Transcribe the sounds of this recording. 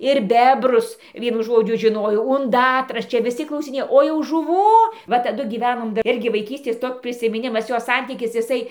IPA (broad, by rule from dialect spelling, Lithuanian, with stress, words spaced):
ɪr ˈbʲæːbrʊs ˈʋʲiɛnʊ ˈʒoːd͡ʒʲʊ ʒʲɪˈnoːjoː ʊnˈdɑːtrɐs ˈt͡ʃʲɛ ʋʲɪˈsʲɪ klˠɐʊsʲɪˈnʲeːjoː oː jɛʊ ʒʊˈʋuː ˈʋɐ tɐˈdʊ ɡʲiːˈʋʲæːnoːm ˈɪrʲɡʲɪ ʋɐɪˈkʲiːsʲtʲeːs ˈtoːkʲ pʲrʲɪsʲɪmʲɪˈnʲɪmɐs ˈjoː ˈsɐnʲtʲiːkʲɪs ɪˈsɐɪ